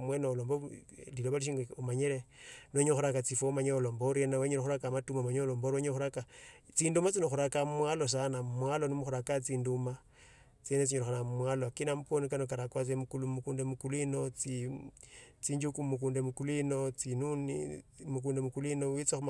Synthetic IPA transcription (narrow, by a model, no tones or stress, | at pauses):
mwenolomboliloβaliʃ̬iŋɡumaɲeɾenoɲoxuɾakat͡sifomaɲolomboɾienaweɲoloxuɾakamatumamaɲolomboɾoɲoxuɾakat͡sindumat͡sinoxuɾakamwalos̬anamwalonimuxuɾakat͡siːnduma | t͡senet͡siɲoɾoxanammwalokinamuponikanokaɾakwat͡semukulumukuːndemukuluinot͡si | t͡siɲd͡ʒukumukuːndemukuluinot͡sinunḭmuk̬uːndemukuluinowit͡saxum